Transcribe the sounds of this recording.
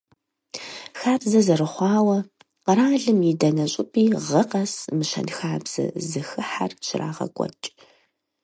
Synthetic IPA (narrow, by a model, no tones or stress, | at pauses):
xaːbzɐzɐrɨχʷɑːwɐ | qəɾaːɮɨmjɪdɐnɐɕʼɪpʼiːʁɐqɐsmɨʃɐ̰nxaːbz̥ɐ̰zɨxɨħa̰rʃɪra̰ːʁɐ̰kʷʼɔ̰t͡ʃʼ